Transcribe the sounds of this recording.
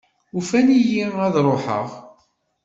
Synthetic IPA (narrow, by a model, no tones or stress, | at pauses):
ufænijiæðɾˤoħə̰ʁ